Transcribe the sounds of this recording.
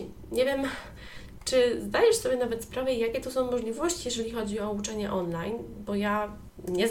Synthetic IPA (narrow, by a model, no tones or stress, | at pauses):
ɲɛvʲjɛm | t͡ʂɘzd̪ajɛʂsɔbʲjɛnavɛt̪spɾavɛjakʲɛt̪ɔsɔ̃w̃mɔʐlʲivɔɕt͡ɕijɛʐɛlʲixɔd͡ʑiɔut͡ʂɛɲɛʔɔnlajnbɔja | ɲɛz